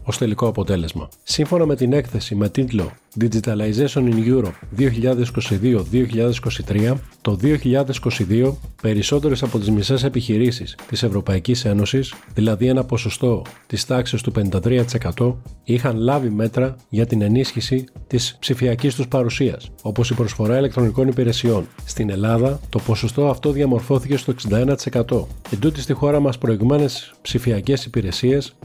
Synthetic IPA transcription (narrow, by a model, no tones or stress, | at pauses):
o̞st̪e̞liko̞ɐpo̞t̪e̞le̞zmɐ̰siɱfo̞nɐme̞t̪ine̞kθe̞sime̞t̪it̪lo̞̰ | d̪id͡ʒit̪ɐlɐizeso̞ninʝuɾo̞p̚ðio̞çiʎɐðe̞si̥ko̞siðioðio̞çiʎɐðesi̥ko̞sit̪ɾiɐt̪o̞ðio̞çiʎɐðe̞si̥ko̞siðio̞pe̞ɾiso̞t̪e̞ɾe̞sɐpo̞t̪izmise̞se̞piçiɾisist̪ise̞vɾo̞pɐicise̞no̞sisðilɐðie̞nɐpo̞so̞st̪o̞t̪ist̪ɐksest̪upe̞nind̪ɐt̪ɾiɐt̪i̥se̞kɐt̪o̞ixɐnlɐvime̞t̪ɾɐʝɐt̪ine̞nisçisit̪ispsifiɐcist̪uspɐɾusiɐso̞po̞sipɾo̞sfo̞ɾɐile̞k̚t̪ɾo̞niko̞nipiɾe̞sio̞nst̪ine̞lɐðɐt̪o̞po̞so̞st̪o̞ɐft̪o̞ðiɐmo̞ɾfo̞θice̞st̪o̞e̞ksind̪ɐe̞nɐt̪i̥se̞kɐt̪o̞ed̪ut̪ist̪ixo̞ɾɐmɐspɾo̞iɣme̞ne̞s | psifiɐce̞sipiɾe̞sie̞s